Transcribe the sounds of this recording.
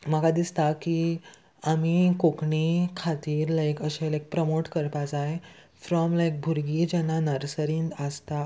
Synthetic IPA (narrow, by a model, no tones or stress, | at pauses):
makad̪ist̪aki | amikokɳikʰat̪iːɾlajkəɕelajk̚pɾəmoʈkəɾpad͡zae | fɾɔmlajk̚bʱuɾɡid͡ʑənanəɾsəɾĩːnd̪əst̪a